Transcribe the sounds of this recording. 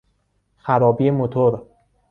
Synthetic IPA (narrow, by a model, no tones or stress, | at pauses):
xæɾɒːbijemot̪ʰoɾ